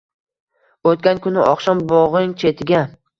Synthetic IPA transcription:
ot̪̚kʲankʰʊnɪʔɒqʃɒnbɒʁɪŋt͡ʃʰe̞t̪ʰɪɡʲa

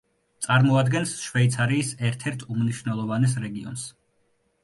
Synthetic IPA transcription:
t̪sʼaɾmɔad̪ɡɛnsʃvɛit̪sʰaɾiːsɛɾt̪ʰɛɾt̪ʰumniʃvnɛlˠɔvanɛs̬ɾɛɡiɔ̰ns

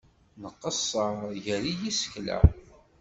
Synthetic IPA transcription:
nəqːəsˤːəʝəɾijisə̥çlæ̰

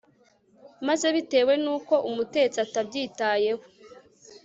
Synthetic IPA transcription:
maze̞βite̞ːwe̞nuːko̞ʔumute̞t͡satabɟiːtaːje̞ho̥

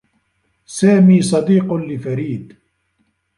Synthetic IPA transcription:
saːmiːsˤɑd̪iːqʊnlɪfaɾiːd̪

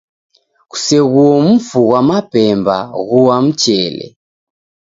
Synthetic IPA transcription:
ɣu̥sɛɣuɔm̩fuɣwamapɛmba̰ɣuwam̩t͡ʃɛlɛ̰

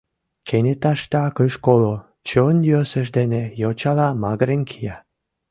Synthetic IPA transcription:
kʰenʲet̪ɑʃt̪ɑkəʃkolo | t͡ɕonjøsə̆ʃd̪enejot͡ɕɑlɑmɑɣɾenkʰijɑ

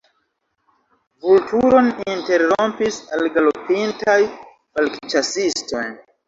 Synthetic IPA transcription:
vultuɾo̞ninte̞ɾːompisalɡalopintaj | valkt͡ʃasisto̞jn

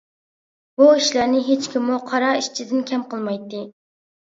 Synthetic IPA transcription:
buiʃlæɾnɪɦet͡ʃkʲʰimːuqʰɑɾɑiʃt͡ʃʰid̪ɪnkʲʰɛmqəlˠmɑjt̪ːɨ

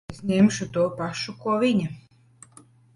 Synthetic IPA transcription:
zʲnʲemʃʊt̪uɔpaʃukuɔvʲiɲʲɪ

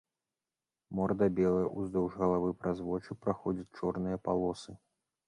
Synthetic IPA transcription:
mɔrd̪ɐbʲɛlˠɐjɐʔuzd̪ɔwʐɣɐlˠavɨpɾazvɔt͡ʂupɾaxɔd͡zʲɐt͡sʲt͡ʂɔrnɨjɐpalˠɔsɨ

